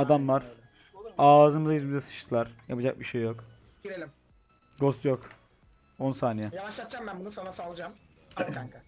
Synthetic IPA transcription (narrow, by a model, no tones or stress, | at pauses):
ad̪amvaɾ̥ | aːzɯmɯzajyzbid̪ɛsɯ̥ʃt̪ʰɯlˠaɾ̥japʰɯd͡ʒak̚biʃejːok | iɾelʲim | ɡost̪jok | onsaːnijɛjavaʃlˠat̪d͡ʒambænbunusanasalˠɯd͡ʒam | aŋka